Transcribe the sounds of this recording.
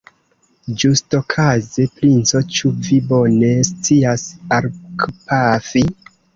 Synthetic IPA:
d͡ʒusto̞kʰazepɾint͡so̞t͡ʃuvibo̞ne̞st͡siasaɾkpafi

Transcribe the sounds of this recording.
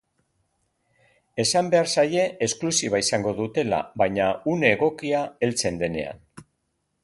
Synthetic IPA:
e̞sambe̞aɾsaje̞ʔesklusiβaisaŋɡo̞ðut̪e̞la̰βajɲaune̞ːɣ̞o̞kiae̞lt͡se̞nd̪e̞ne̞̰a̰n

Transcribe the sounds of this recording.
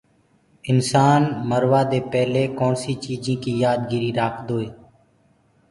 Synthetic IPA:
ɪnsaːnməɾʋaːd̪eːpɛːleːkoːnsiːt͡ʃiːd͡ʒẽːkiːjaːd̪ɡiɾiːɾaːkʰd̪oːeː

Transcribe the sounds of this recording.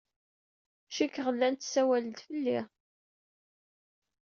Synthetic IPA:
ʃikːʁəlːænt̪sæwæld̪fəlːi

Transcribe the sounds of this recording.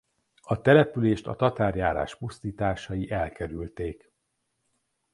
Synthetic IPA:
ɒt̪ɛlɛpyleːʃt̪ɒ̰t̪ɒt̪aːrjaːɾa̰ːʃpust̪iːt̪aːʃɒjiʔɛlkɛɾylt̪eːk

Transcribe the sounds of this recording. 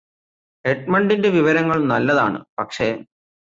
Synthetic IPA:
eʈ̚mɐɳɖindeʋiʋɐɾɐŋːɐɭnɐlːɐða̰ːɳɨ̰pɐkʂe̞

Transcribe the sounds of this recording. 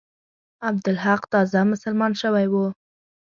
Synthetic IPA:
ab̚d̪ʊlɦaqt̪ɑzamʊsəlmɑnʃəwajwu

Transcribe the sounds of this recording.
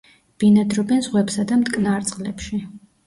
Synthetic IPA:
b̥inad̪ɾɔbɛnzʁwɛpsad̪amt̪ʼkʼnaɾt̪sʼqʼlɛpʃi

